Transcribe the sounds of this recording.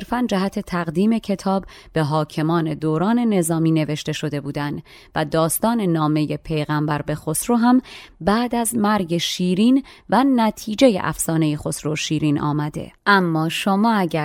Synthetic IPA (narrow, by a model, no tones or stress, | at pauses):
ɾfænd͡ʒæɦæt̪ʰe̞t̪ʰæɣd̪iːme̞cʰe̞t̪ʰɒːbbe̞ɦɒːcʰe̞mɒːne̞d̪oːɾɒːne̞ne̞zɒːmiːne̞ve̞ʃt̪e̞ʃo̞d̪e̞buːd̪ænd̪̥ | væd̪ɒːst̪ɒːne̞nɒːme̞je̞pʰe̞jɣæmbæɾbe̞xo̞sɾoːɦæmbæːd̪æzmæɾɟe̞ʃiːɾiːnvænæt̪ʰiːd͡ʒejḛʔæ̰fsɒːne̞jexo̞sɾoʃiːɾiːnʔɒ̰ːmæd̪e̞̰ʔæmːɒːʃomɒːæɟæ